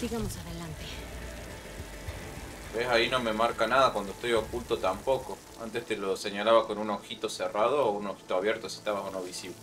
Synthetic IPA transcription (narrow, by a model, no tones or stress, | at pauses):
siɣamosaðelant̪e | besaino̞me̞maɾkanaðakwand̪oest̪o̞jokult̪ot̪ampo̞ko | a̰nt̪est̪elo̞se̞ɲalaβahko̞nunoxit̪o̞serað̞oːunoxi̥t̪oaβje̞ɾt̪osie̥ht̪aβasono̞βisiβle